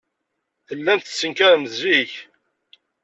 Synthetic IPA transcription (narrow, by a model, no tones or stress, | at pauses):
θəlːænθəsːəŋkæɾmziç